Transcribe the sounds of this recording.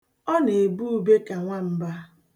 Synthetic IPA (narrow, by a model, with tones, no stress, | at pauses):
ɔ˦ne˨bu˦u˨be˦ka˨ŋʷa˦m̩˦ba˦